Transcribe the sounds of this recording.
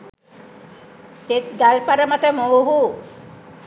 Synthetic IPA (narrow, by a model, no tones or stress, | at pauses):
t̪et̪̚ɡælpaɾəmat̪əmowɦu